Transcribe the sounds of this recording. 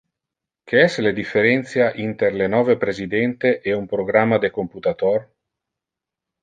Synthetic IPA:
kʰeɛsled̪ifːeɾɛnt̪sjaʔint̪eɾlenɔːvepɾezid̪ɛnt̪eʔeumpɾoɡɾamːad̪ekomput̪at̪ɔr

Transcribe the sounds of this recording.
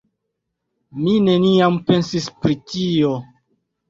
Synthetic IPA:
mine̞niampe̞nsispɾitio̞

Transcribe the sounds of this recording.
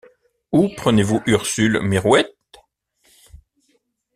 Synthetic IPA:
upχənevuʔyʁsylmiʁwɛt̪

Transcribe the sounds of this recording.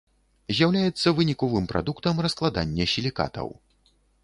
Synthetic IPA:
zʲjawlʲajɛt̪sːɐvɨnʲikɔvɨmpɾʔa̰d̪ukt̪ɐmrɐsklˠad̪a̰nʲːɛsʲilʲika̰t̪ɐ̰w

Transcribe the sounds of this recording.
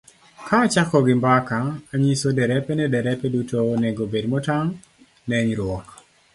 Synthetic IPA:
kaːt͡ʃakɔɡɪmbakaːɲisodɛɾɛpɛnɛdɛɾɛpɛdutoneɡobedmɔtaŋ | nɛɲɾwɔk

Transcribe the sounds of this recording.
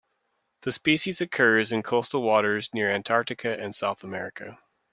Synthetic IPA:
ðɨspiʃizɨkʰɜ˞zɨ̃nkʰʌʊstl̩ˠwɔɾə˞znɪɹæ̃ntʰɑɹ̚ɾɨkʰɨʔɨ̃nsaʊθəmɛɹɨkʰɨ̰

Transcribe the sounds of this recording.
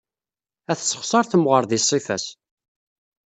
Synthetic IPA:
æθsə̥χsˤɑɾˤθəmʁəɾˤðisˤːifæs

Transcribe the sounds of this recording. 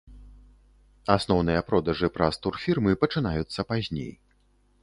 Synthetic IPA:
asnɔwnɨjɐpɾɔd̪ɐʐɨpɾast̪urfʲirmɨpɐt͡ʂɨnajut̪sːɐpazʲnʲḛj

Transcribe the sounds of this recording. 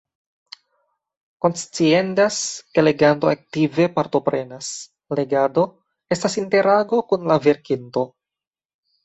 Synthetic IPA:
ko̞nst͡sie̞ndaske̞le̞ɡanto̞ak̚tive̞paɾto̞pɾe̞nas | le̞ɡado̞ | e̞stasinte̞ɾaɡo̞kunlave̞ɾkinto̞

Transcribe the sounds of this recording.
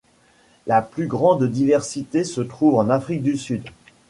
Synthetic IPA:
laplyɡʁɑ̃d̪d̪ivɛʁsit̪esət̪χuvɑ̃nafχik̚d̪ysyd̪

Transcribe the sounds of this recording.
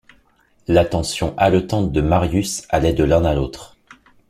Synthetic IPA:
lat̪ɑ̃sjɔ̃ʔalɔt̪ɑ̃t̪̚d̪əmaʁjysalɛd̪əlɛ̃nalot̪χ

